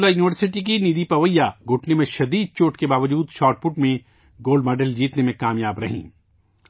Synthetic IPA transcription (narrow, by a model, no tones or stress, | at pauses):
lajuːniʋəɾsɪʈik̬inid̪ipɐʋəjːaɡʱʊʈʰnemẽʃɐd̪iːd̪̚t͡ʃoːʈkebaːʋəd͡ʒuːd̪ʃaːɾʈfʊʈmẽ | ɡoːlɖmɔːɖəld͡ʒiːt̪nemẽkaːmjaːbɾɐ̰ɦḭ̃ː